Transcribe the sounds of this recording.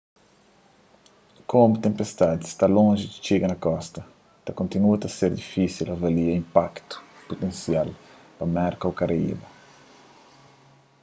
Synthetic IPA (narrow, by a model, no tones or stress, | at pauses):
kʰomʊt̪ẽmpest̪ad̪st̪alõʒɪki̥t͡ʃeɡɐnɐkɔst̪ɐ | t̪ɐkõnt̪inuɐt̪ɐseɾd̪ifisilɐvaliɐĩmpakt̪ʊ̥pot̪ẽnsjal | pɐmɛɾkɐwkaɾaḭbɐ